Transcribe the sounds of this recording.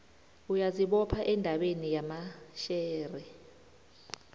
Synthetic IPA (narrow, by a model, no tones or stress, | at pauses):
ujaziɓɔpʰaʔɛndʱaɓenijamaʃɛːrɛ